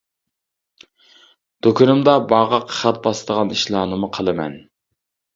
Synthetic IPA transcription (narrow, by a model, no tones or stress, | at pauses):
d̪̥okʲʰʊnɨmd̪ɑbɑʁɑqʰχæt̪̚bɑst̪əʁɑniʃlˠɑːnɨmʊqʰəlˠɨmɛ̰n